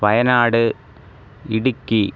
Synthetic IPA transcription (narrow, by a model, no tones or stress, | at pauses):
pɐjɐnaːɽɨ | iɽukʲːi